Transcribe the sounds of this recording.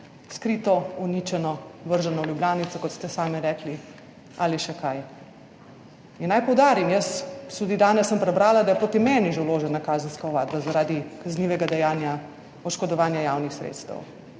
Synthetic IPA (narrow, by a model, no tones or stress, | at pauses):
skɾit̪ɔuniːt͡ʃɛnɔʋəɾʒɛnɔljubljaːnit̪sɔkɔt̪st̪ɛsaːmɛɾɛkli | aliʃɛkaj | inːajpɔwd̪aːɾimjəst̪ud̪id̪aːnɛsːəmpɾɛbɾaːlad̪ajɛpɾoːt̪imɛːniʒewloːʒɛnakaːzənskaɔʋaːd̪bazaɾaːd̪ikazniːʋɛɡad̪ɛjaːnja | ɔʃkɔd̪ɔʋaːnjajaːwnixsɾḛt̪st̪ə̰w